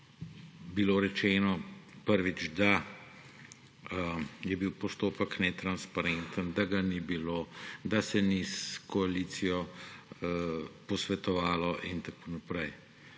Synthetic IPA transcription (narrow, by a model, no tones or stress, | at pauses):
biloːɾɛt͡ʃɛːnɔpəɾʋid͡ʒd̪a | jɛbiwpɔst̪oːpəknɛt̪ɾanspaɾɛnt̪ənd̪aɡanibiloːd̪asɛniskɔalit̪sijɔ | pɔsʋɛt̪ɔʋaːlɔʔint̪akoːnapɾɛj